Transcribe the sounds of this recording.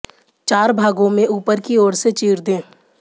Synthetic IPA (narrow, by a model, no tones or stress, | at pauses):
t͡ʃaːɾbʱaːɡõmẽʔuːpəɾkiɔːɾset͡ʃiːɾd̪ẽː